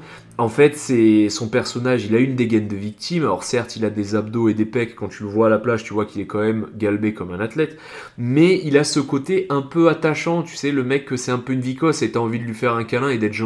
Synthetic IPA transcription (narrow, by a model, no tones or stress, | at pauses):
ɑ̃fɛt̪sɛsɔ̃pɛʁsɔnaʒilaynd̪eɡɛnd̪əvik̚t̪imalɔ̰ʁsɛʁt̪ilad̪ezabd̪oed̪epɛkːɑ̃t̪yləvwaːlaplaʒt̪yvwakilɛkɑ̃mɛmɡʲalbekɔmɛ̃nat̪lɛt̪ | mɛilasəkot̪eʔɛ̃pøat̪aʃɑ̃t̪y̥sɛləmɛkʰːəsɛt̪ɛ̃pøynvikɔset̪aɑ̃vid̪əlɥifɛʁɛ̃kalɛ̃ed̪ɛt̪ʒ̃